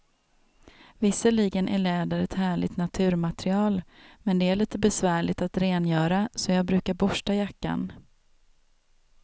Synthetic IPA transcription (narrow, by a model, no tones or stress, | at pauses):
vɪsːəliːɡənʔæɭɛːd̪aɾɛt̪hæːɭɪ̰t̪nat̪ʰʉ̟ːɾmat̪ɾɪɑːlmɛnd̪ɛæɭiːt̪əbɛsvæːɭɪt̪at̪ɾeːnjœːɾasɔjɑːɡ̚bɾʉ̟ːkaɾbɔʂʈajakːa̰n